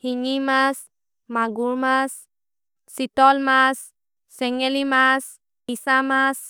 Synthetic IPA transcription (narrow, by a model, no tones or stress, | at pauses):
hiɲimas | maɡuɾmasː | it̪ɔlmasː | ɛŋelimas | isamas